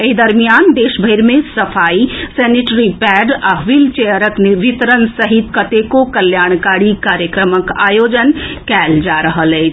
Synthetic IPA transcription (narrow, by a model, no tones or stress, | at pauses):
eɦid̪əɾmijaːnd̪eːʃbʱəɪɾmẽsɐfʰaːisɛniʈɾipɛɖaɦʋilt͡ʃejəɾəknʋit̪ɾənsəɦit̪kət̪ekokəljaːɳ̃kaɽikaːɾjəkɾəməka̰ːjod͡ʒənkɛld͡ʒaɾəɦəlɛt͡ʃʰ